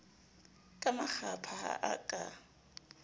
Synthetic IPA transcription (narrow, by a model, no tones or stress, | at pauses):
kʼamak͡xʰapʰaha̰ʔakʼa